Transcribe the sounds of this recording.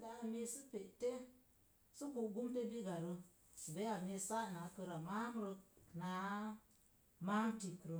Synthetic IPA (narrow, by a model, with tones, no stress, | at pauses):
da˧ha˨me˧si˦pe˨ʔte˦ | su˦ku˨ɡu˦mte˦bi˦ɡa˨ɾə˧ | si˨be˦a˨me˧sa˦ʔna˨˦kə˧ɾa˨ma˦m˦ɾə˧˨na˨˦ | ma˦mti˨kɾo˨